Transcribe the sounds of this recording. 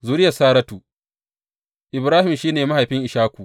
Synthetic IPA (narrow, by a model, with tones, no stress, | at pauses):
zuː˦ɾɪ˦jɐ˨saː˦ɾɐ˦tuː˨ | ʔɪ˨bɾaː˦hɪ˨mʃiː˦neː˨ma˦ha˨jɸɪ˦ŋʔɪ˨ʃaː˦kʷu˨